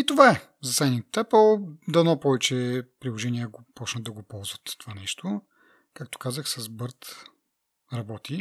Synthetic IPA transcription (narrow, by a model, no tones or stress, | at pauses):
it̪ovaɛ | zɐsɛnit̪t̪ɛpəlˠd̪ɐnɔpɔvɛt͡ʃɛpɾilˠoʒɛniəɡopɔt͡ʃnəd̪d̪ɐɡopɔlˠzvət̪t̪ːovanɛʃt̪ʰo | kakt̪o̥kazəxsɐzbɤɾt̪ | ɾɐbɔt̪i